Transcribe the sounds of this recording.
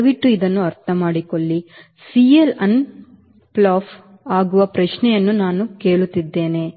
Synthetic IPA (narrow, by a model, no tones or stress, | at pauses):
ʋiʈːuid̪ɐnːuɐɾt̪ʰɐmaːɽiko̞ɭːi | siːelɐn | plaːf | aːɡuʋɐpɾɐʃnɛjɐnːunaːnuke̞ːɭut̪ːid̪ːe̞ːne̞